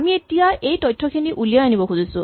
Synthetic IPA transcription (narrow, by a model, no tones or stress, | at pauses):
mietijaejtɔjtʰːɔkʰiniʔulijaanibɔkʰuzisʊ